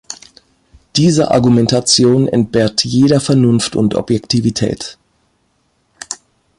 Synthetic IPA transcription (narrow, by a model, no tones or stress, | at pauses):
d̥iːzəʔa̰ɐɡumɛntat͡sjoːnɛ̰nt̚b̥ɛːɐtjeːɾɐfɛɐnʊnftʊ̰ntʔɔ̰pjɛktʰivitʰɛ̰ːt